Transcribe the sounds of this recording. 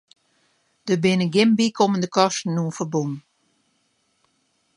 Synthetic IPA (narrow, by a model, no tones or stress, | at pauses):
d̥əbɪnəɡɪmbikʰoməndəkɔstn̩ːuənfərbun